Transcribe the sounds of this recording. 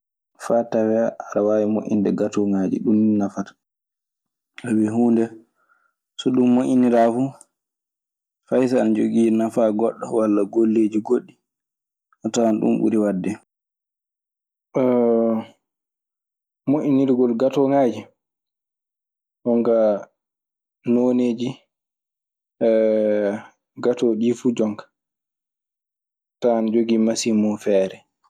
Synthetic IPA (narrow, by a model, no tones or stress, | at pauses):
faːtawɛaɾawawimo̰ʔḭndɛɡatɔŋaːd͡ʒḭɗumnafatḁ | awiɦuːndɛ | sɔɗumːoʔiniɾafu | fajs̬aːnd͡ʒoɡiːnafaɡɔɗːɔwalːaɡolːed͡ʒiɡoɗːi | ʔɔtaanɗṵmɓṵɾiwadːɛ | ɔ | moʔiniɾiɡɔlɡatɔŋaːd͡ʒi | ɗɔŋɡa | noned͡ʒi | ɡatɔɗifud͡ʒɔŋkḁ | taand͡ʒoɡiːmasimɔfɛːɾɛ